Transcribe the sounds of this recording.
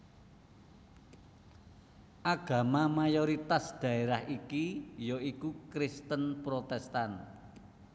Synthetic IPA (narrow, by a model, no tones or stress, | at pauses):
ʔaɡ̥a̤mamajoɾit̪asd̪̥a̤eɾahikijoikukɾɪst̪ənpɾot̪ɛst̪an